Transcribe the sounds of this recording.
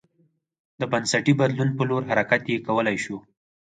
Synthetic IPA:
d̪əbansaʈibad̪lunpəloɾɦaɾakat̪jekawəlajʃu

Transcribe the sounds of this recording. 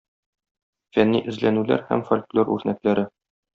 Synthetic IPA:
fænːiʔɘ̆zlænʉlæ̰ɾhæ̰mfolʲklʲˠoɾʉ̰ɾnæklæɾɘ

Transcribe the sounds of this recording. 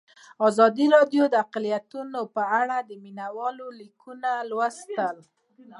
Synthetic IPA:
ɑzɑd̪iɾɑɖjod̪əaqlijat̪unopəaɽad̪əminawɑlolikunalwast̪əl

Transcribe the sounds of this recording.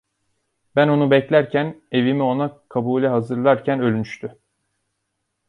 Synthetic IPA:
bæno̞nubɛclʲæɾcʰæne̞vimio̞nakʰabuːlʲɛɦazɯɾlˠaɾcʰænø̞lʲmyʃt̪ʰy

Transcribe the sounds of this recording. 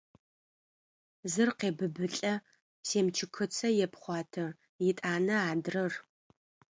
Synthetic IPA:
zɨrqeːbɨbɨɬʼɐ | seːmt͡ʃʰɪkʰɨt͡sʰɐjɛpχʷɑːtʰɐ | jɪtʼaːnɐaːdrɐr

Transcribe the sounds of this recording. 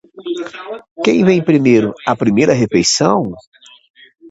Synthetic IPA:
kẽj̃vẽj̃pɾimejɾʊɐpɾimejɾɐɦefejsɐ̃w̃

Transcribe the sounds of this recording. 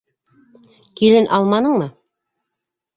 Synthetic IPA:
kilɘnʔɑlˠmɑnɤɴmɤ

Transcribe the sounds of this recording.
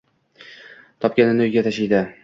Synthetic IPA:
t̪ʰɒp̚kʲanɪnojɡʲat̪ʰaʃijd̪ɪ

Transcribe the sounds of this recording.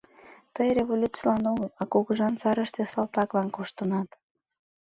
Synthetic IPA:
t̪əjreβolʲut͡silɑnoɣəlɑkuɣəʒɑnt͡sɑɾəʃt̪esɑlt̪ɑklɑnkoʃt̪ənɑt̪

